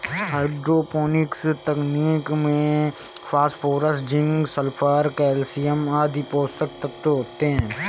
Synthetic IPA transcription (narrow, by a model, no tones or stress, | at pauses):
ɦaːɪɖɾoːpoːnɪkst̪əkniːkmẽ | fʰaːspʰoːɾəsd͡ʒɪ̃ŋɡsəlpʰaːɾkɛːlsijəmaːd̪ipoːsək̚t̪ək̚t̪oɦoːt̪eɦɛ̃ː